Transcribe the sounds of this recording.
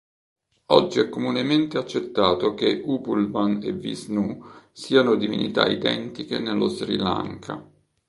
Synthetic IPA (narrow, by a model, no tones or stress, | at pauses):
ɔ̰d͡ʒːiɛkːomunement̪eat͡ʃːet̪ːaːt̪ok̟eʔuːpulmanḛvḭsnusiːanod̪ivinḭt̪a̰id̪ɛ̰nt̪ikenelːosɾḭla̰ŋkʰa̰